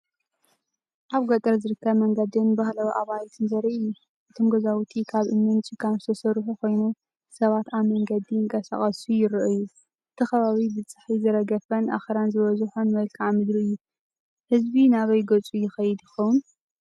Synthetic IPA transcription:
ʔaβɡot̪ʼɐɾzɨɾɨkːɐβmɐŋɡɐd̪inbahlawiʔaβajt̪ʰɨnzɐɾiʔɨjːu | ʔɨt̪ʰomɡɐzawut̪ʰikʰaβʔɨmːɨnt͡ʃʼikʰanzɨ̥t̪ʰɐsɐɾħukʰo̞jnu | sɐβat̪aβmɐŋɡɐd̪iɨŋkʼɐsa̰χʼɐsujɪɾʔɨju | ʔɨt̪ʰixɐβaβibɨt͡sʼɨ̥ħizɨɾɐɡɐfɐnʔa̰xeɾanzɨβɐzħonmɐlkʰaʕmɨd̪ɾiɨjːu | hɨzbinaβɐjɡɐt͡sʼujɪxɐjɪd̪jɪxɐwun

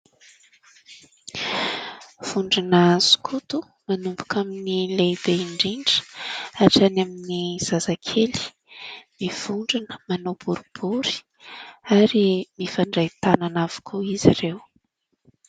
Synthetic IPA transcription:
v̥uɳɖ͡ʐinazu̥kʰut̪u | manumbukaminilejbeiɳɖ͡ʐiɳɖ͡ʐə̥aʈ͡ʂanaminiz̥azakʰeli̥ | miv̥uɳɖ͡ʐinə̥manob̥uɾub̥uɾi̥ | aɾimifaɳɖ͡ʐajt̪ananavu̥kʰuiziɾew

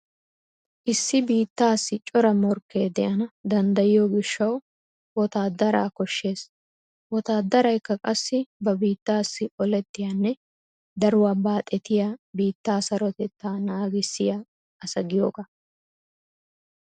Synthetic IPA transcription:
ʔɪsːɪbiːt̪ːaːsːɪt͡ʃʼɔɾɐmɔɾkːeːd̪ɛʔɐnɐd̪ɐnd̪ɐjɪjoːɡɪʃːɐw | wɔt̪aːd̪ɐɾa̰ːkɔʃːe̞ːs | wɔt̪aːd̪ɐɾɐjkːɐkʼɐsːɪbɐbiːt̪ːaːsːɪʔɔlɛt̪ːɪjaːnːɛ | d̪ɐɾʊwɐbaːt̪ʼɛt̪ɪjaːbiːt̪ːaːsɐɾɔt̪ɛt̪ːaːnaːɡɪsːɪja | ɐsɐɡɪjo̰ːɡa

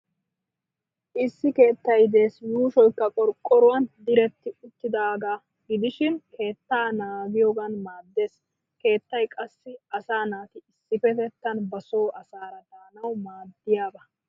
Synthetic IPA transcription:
ʔɪsːɪke̞ːt̪ːɐjd̪e̞ːsjuːʃɔjkːɐkʼɔɾkʼːɔɾʊwɐnd̪ɪɾɛt̪ːɪʊt̪ːɪd̪aːɡaː | ɡɪd̪ɪʃɪnkʰe̞ːt̪ːaːnaːɡɪjoːɡɐnmaːd̪ːe̞ːs | ke̞ːt̪ːɐjkʼɐsːɪɐsaːnaːt̪ɪɪsːɪfɛt̪ɛt̪ːɐnbɐso̞ːʔɐsaːɾɐd̪aːnɐwmaːd̪ːɪjaːbɐ

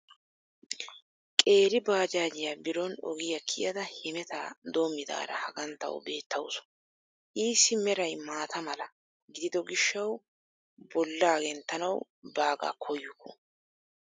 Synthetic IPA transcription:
kʼe̞ːɾɪbaːd͡ʒaːd͡ʒɪjabɪɾɔnɔ̰ɡɪjɐkʰɪjɐd̪ɐhɪmɛt̪aːd̪o̞ːmːɪd̪a̰ːɾɐ̰hɐɡɐnt̪ːɐ̰wbe̞ːt̪ʰːɐwʊsɔ̥ | ʔiːsːɪmɛɾɐjmaːt̪ʰɐmɐlɐ | ɡɪd̪ɪd̪ɔɡɪʃːɐw | bɔlːaːɡɛnt̪ːɐnɐw | baːɡa̰ːkʰɔjːʊkʰːɔ̰

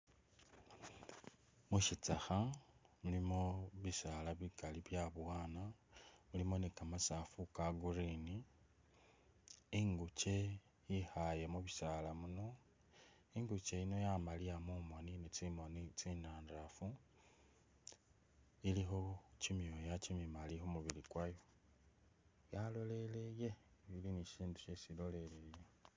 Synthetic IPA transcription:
muʃit͡saxamulimo̞βisalaβikaliβjaβwaːnamulimo̞nikamasafukaɡurini | iŋɡut͡ʃe̞ | jixajemuβisalamuno̞ | iŋɡut͡ʃe̞ino̞jamaliamumo̞ninet͡simo̞nit͡sinaːndafu | iliɦo̞cimjojacimjimalihomuβilikwajo | jalo̞le̞leje̞βiliniʃiːndu̥ʃesilo̞le̞leje

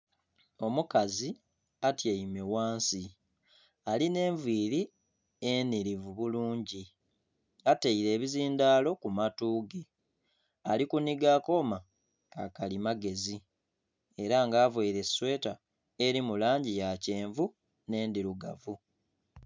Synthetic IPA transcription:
o̞mukazi | atjeime̞waːnsi | aline̞ːɱvwiːɾi | eniɾivuβuluːɲɟi | ateiɾe̞ːβiziːndaːlo̞kumatuːɡe | alikuniɡako̞ma | ka̰kalimaɡe̞zi | e̞ɾaŋɡaːvweiɾe̞swe̞ːta | eɾimulaːɲɟijace̞ːɱvu | ne̞ːndiɾuɡavu

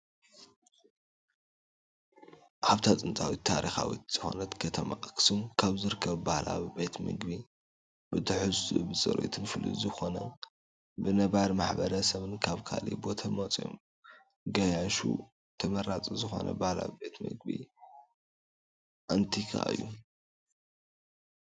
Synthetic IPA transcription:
ʕaβt̪ʰat͡s̪ʼɨnt̪ʼawit̪ʰːaɾixawḭt̪z̥ɨxo̞̰nɐt̪kʰɐt̪ʰɐmaʔɨkʰɨ̥sumkʰaβzɨɾɨkʰːɐβbahlʔa̰βbe̞t̪mɨɡbi | bɨt̪ʰɨħɨzṵbɨt͡sʼɐ̰ɾo̰t̪ʰɨnfɨlḭzɨxo̞nɐ | bɨnɐβaɾmaħbɐɾɐsɐβɨnkʰaβkʰalḭbo̞t̪ʰɐmot͡sʼjo̰m | ɡɐjaʃṵ | t̪ʰɐmɐɾat͡sʼizɨxo̞̰nʔɐ̰bahla̰βibe̞t̪mɨɡbi | ʔant̪ʰikʰa̰ʔɨ̰jːu

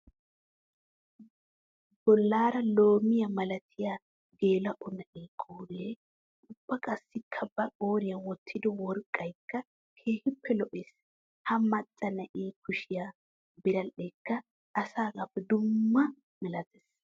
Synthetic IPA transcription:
b̥ɔlːaːɾɐlo̞ːmɪjɐmɐlɐt̪ʰɪja | ɡe̞ːlɐʔɔnɐʔeːkʼoːɾeː | ʊbːɐkʼɐsːɪkʰːɐbɐkʼoːɾɪjɐwɔt̪ʰːɪd̪ɔwɔɾkʼːɐjkːɐ | kʰe̞ːhɪpːɛlɔʔɛs | hɐmɐt͡sʼːɐnɐʔeːkʰʊʃɪjaː | bɪɾɐlːɛkːɐ | ʔɐsaːɡafːɛd̪ʊmːɐ | mɛlɐt̪ɛs

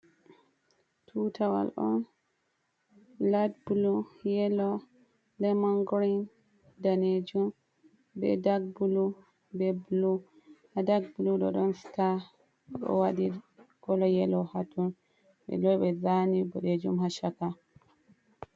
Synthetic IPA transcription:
tʰutʰawa̰lʔɔn | ladbulujɛlɔ | lɛmaŋɡɔɾin | daned͡ʒum | bɛ̰daɡ̚bulu | bɛblu | hadaɡ̚buluɗɔ̰ɗɔnsi̥ta | ɗɔ̰waɗiɡ̥ɔlɔjɛlɔhatun | ɓɛ̰lɔjɓɛzanibɔɗed͡ʒumhaʃaka

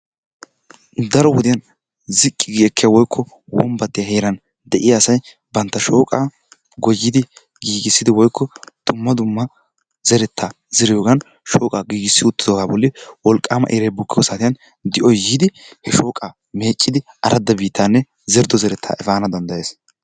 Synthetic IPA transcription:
d̪ɐɾɔwɔd̪ɪjɐn | zɪkʼːɪɡiɛkʰːɪjawɔjkʰːɔ | wɔmbɐt̪ːɪjaheːɾɐn | d̪ɛʔɪjasɐj | bɐnt̪ːɐʃoːkʼa | ɡɔjːɪd̪ɪ | ɡiːɡɪsːɪd̪ɪwɔjkːɔd̪̥ʊmːɐd̪ʊmːɐ | zɛɾɛt̪ʰːa | z̥ɛɾɪjoːɡɐn | ʃoːkʼaːɡiːɡɪsːɪʊt̪ːɪd̪oːɡaːbɔlːɪwɔlkʼːaːmɐ̰ʔeɾɛjbʊkːɪjɔsaːt̪ɪjɐn | d̪ɪʔɔjiːd̪ɪhɛʃo̞ːkʼa | me̞ːt͡ʃʼːɪd̪ɪ | ɐɾʔɐd̪ːɐbiːt̪ːaːnːɛ | zɛɾd̪ɔzɛɾɛt̪ʰːa̰ːʔɛfaːnɐd̪ɐnd̪ɐjeːs

